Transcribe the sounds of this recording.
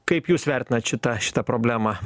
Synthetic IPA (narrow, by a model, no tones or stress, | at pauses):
kɐɪpjuːsʋʲɛɾʲt̪ʲɪnɐt̪ʃʲɪt̪ɐʃʲɪ̥t̪ɐpɾoːbʲlʲæːmɑ